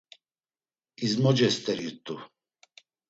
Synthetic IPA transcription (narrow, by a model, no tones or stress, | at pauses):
izmɔd͡ʒɛst̪ʼɛɾit̪ʼu